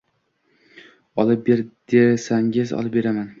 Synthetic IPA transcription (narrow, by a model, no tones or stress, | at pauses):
ɒlˠɪp̚be̞ɾd̪̥esaŋɪzɒ̰lˠɪp̚be̞ɾaman